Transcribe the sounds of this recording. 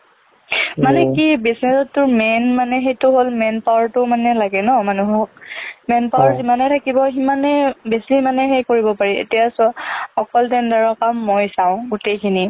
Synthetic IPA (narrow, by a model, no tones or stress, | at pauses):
manɛkibisnɛsɔtːʊɹmɛnmanɛɦejtʊɦolmɛnpawaɹtʊmanɛlaɡɛnɔmanuɦɔk̚mɛnpawaɹzimanɛtʰakibɔximanɛbesimanɛɦejkoɹibɔpaɹiḛtijasaɔkɔltɛndaɹɔkamːojsãʊ̃ɡutejkʰini